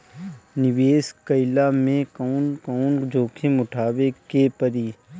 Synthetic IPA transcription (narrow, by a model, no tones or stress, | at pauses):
nɪʋeːskəɪlamẽkɔːnkɔːnd͡ʒʱoːkʰemʊʈʰaːʋekepəɾiː